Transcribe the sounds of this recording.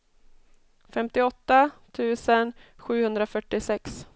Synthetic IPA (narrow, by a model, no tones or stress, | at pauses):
fɛmt̪ɪɔt̪ːat̪ʰʉ̟ːsənɧʉ̟ːhɵnd̪ɾafœʈːɪsɛks